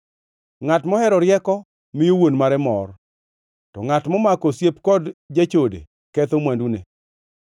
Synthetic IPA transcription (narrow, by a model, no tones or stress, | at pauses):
ŋatmɔhɛɾɔɾjɛkɔ | mɪjowonmaɾɛmɔr | tɔ̰ŋatmɔmakɔsjepkɔdd͡ʒat͡ʃodḛ | kɛt̪omwandune